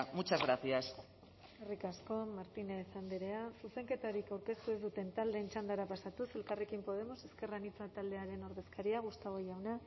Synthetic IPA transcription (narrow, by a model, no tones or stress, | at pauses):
mut͡ʃazɣɾaθias | erikasko̞maɾt̪inesand̪iɾe̞asuse̞ŋke̞t̪aɾikawɾke̞st̪ue̞zd̪ut̪e̞nt̪ald̪e̞ːnt͡ʃand̪aɾapasat̪use̞lkarekimpo̞ð̞e̞mo̞se̞ske̞ranit͡sat̪ald̪e̞aɾe̞no̞ɾðe̞skaɾiaɣ̞ust̪aɣo̞ʝawna